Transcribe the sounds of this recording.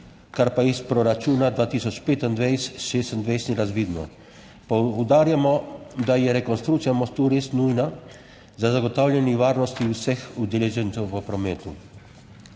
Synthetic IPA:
kaɾpaispɾɔɾat͡ʃuːnad̪ʋaːt̪iːsɔt͡ʃpeːt̪and̪ʋɛjsʃeːst̪ənd̪ʋɛjsniɾazʋiːd̪nɔ̰ | pɔd̪aːɾjamɔd̪ajɛɾɛkɔnst̪ɾukt̪sijamɔst̪uːɾeːsnujna | zazaɡɔt̪awlʲɛniʋaːɾnɔst̪iwsɛxud̪ɛlɛʒɛnsɛwʋəpɾɔmɛːt̪ṵ

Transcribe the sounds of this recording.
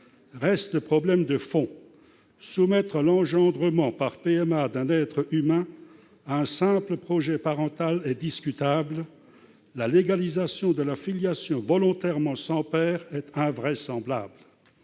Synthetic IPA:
ʁɛst̪əpχɔblɛmd̪əfɔ̃ | sumɛt̪χəlɑ̃ʒɑ̃d̪ʁəmɑ̃paʁpeɛmad̪ɛ̃nɛt̪χəymɛ̃ | aɛ̃sɛ̃pləpχɔʒɛpaʁɑ̃t̪alɛd̪iskʲyt̪abl | laleɡalizasjɔ̃d̪əlafiljasjɔ̃vɔlɔ̃t̪ɛʁmɑ̃sɑ̃pɛːʁɛt̪ɛ̃vʁɛsɑ̃bla̰bl

